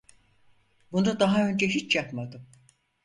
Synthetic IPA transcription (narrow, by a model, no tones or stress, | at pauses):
bund̪ad̪aɦaø̞nd͡ʒɛɦit͡ʃjapmad̪ɯm